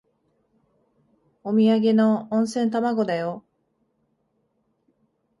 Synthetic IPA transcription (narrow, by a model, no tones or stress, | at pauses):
omʲiaɡe̞nõ̞ːɰ̃sẽ̞nt̪amaɡo̞d̪ajo